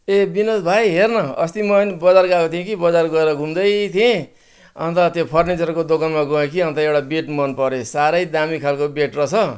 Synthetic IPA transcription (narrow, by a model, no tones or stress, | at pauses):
ebinʌsbʱajɦernʌʌ̰st̪imʌnibʌd͡zarɡakot̪ʰiẽkibʌd͡zarɡʌeɾʌɡʱumd̪ʌjt̪ʰiẽ | ʌ̰nt̪ʌt̪jopʰʌrnit͡sʌrkod̪okʌnmaɡʌẽkiʌnt̪ʌewʈabeʈmʌnpʌɾesaɾʌjd̪amikʰalkobeʈrʌt͡sʰʌ